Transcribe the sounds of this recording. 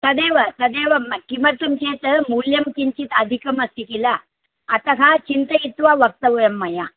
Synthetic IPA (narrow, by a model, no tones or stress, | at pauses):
t̪ɐd̪eʋɐt̪ɐd̪eʋɐmkimɐɾt̪umket̪əmuljɐmkiɲt͡ɕit̪ɐd̪ʱikɐmɐst̪ikilaː | t̪ɐkat͡ɕint̪əit̪ʋaʋɐk̚t̪ɐʋjɐmːɐja